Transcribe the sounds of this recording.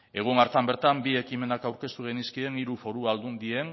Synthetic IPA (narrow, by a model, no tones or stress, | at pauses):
e̞ɣ̞unaɾt̪ambe̞ɾt̪ambie̞kime̞nakawɾke̞st̪uɣeniskie̞niɾufo̞ɾuald̪und̪ie̞n